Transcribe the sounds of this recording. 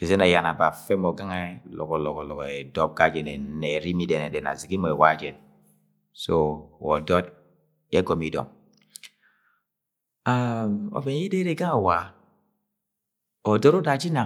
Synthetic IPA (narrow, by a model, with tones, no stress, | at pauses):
i˨ze˦na˨ja˨na˨ba˨fɛ˦mɔ˨ɡa˦ŋa˦lɔ̰˨kɔ˨lɔ˨kɔ˨lɔ˨kɔ˨e˨dɔ˦p̚ɡa˦d͡ʒɛ˨ne˨˦ne˨ɾi˦mi˦dɛ˨nɛ˨dɛ˨na̰˨zi˨ɡi˦mɔ˨e˨wa˦d͡ʒɛ˨n | so˦˨wɔ̰˨dɔ˦d | e˦ɡɔ˨mi˦dɔ̰˨m | a˦˨ɔ̰˨be˨n˦i˦de˦ɾe˦ɡa˦ŋa˨wa˨ | ɔ˨dɔ˦ɾo˦da˨d͡ʒi˦na˨